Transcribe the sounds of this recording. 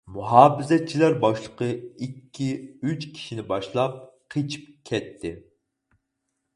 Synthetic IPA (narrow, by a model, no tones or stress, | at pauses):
muɦɑːbɪzɛt̪̚t͡ʃʰilæɾbɑʃlˠəqəikʲʰːiyt͡ʃkʲʰi̥ʃinɪbɑʃlˠɑp̚ | qʰet͡ʃʰi̥p̚kʲʰɛt̪ʰːɪ